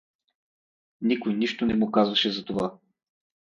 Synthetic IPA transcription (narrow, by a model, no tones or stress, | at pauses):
nikojniʃt̪onɛmʊkazvɐʃɛzɐt̪ova